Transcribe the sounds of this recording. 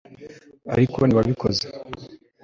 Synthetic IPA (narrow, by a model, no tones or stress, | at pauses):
a̰ɾikʰoniβaβikʰo̞ze